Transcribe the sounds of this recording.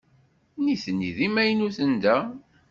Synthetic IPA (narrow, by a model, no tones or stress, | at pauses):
niθənːiðimæjnuθənd̪æ